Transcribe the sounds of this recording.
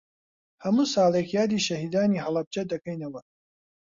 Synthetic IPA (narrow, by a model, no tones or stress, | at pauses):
hɐmuːsɑːlˠekjaːd̪iːʃɐhiːd̪aːniːɦɐlɐb̚d͡ʒɐd̪ɐkɐjnɐwɐ